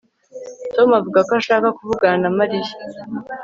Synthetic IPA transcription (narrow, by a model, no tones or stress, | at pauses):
tomavuɡakoaʃaːkakuvuɡanamaɾiji̥